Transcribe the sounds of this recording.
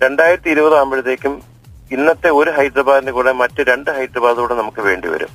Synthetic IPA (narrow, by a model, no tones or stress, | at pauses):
ɾe̞ɳɖaːjiɾɐt̪ːiiɾubɐðɨaːmbiɻɐt̪ːeːkʲːum | inːɐt̪ːe̞o̞ɾuɦɐjd̪rɐbaːðindekuːɽe̞mɐtːɨɾe̞ɳɖɨɦɐjd̪rɐbaːðkuːɽenɐmukːɨʋe̞ːɳɖḭʋɐ̰ɾṵm